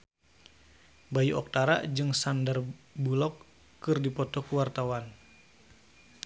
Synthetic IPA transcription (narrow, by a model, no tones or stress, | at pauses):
bajuʔɔk̚t̪aɾa̰d͡ʒɨŋsandərbulɔkː | ɨrdipɔt̪ɔkuwart̪awan